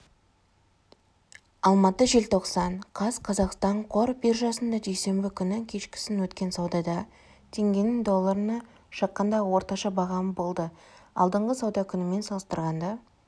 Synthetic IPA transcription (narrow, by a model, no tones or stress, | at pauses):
ɑlˠmɑt̪əʒe̞lt̪ʰo̞qsɑɴqʰɑzqʰɑzɑqst̪ɑɴqʰo̞ɾbɪɾʒɑsənd̪ɑd̪ejse̞mbɪkʲʰʏnɪkʲʰe̞ʃkʲɪ̥sɪnwɵt̪kʲe̞nsɑwd̪ɑd̪ɑ | t̪ʰe̞ŋɡʲe̞nɪŋd̪o̞lˠːɑɾənɑ | ʃɑqːɑnd̪ɑwo̞ɾt̪ɑʃɑbɑʁɑmbo̞lˠd̪əɑ̰lˠd̪əɴʁəsɑwd̪ɑkʲʰʏnɪme̞nsɑlˠəst̪əɾʁɑnd̪ɑ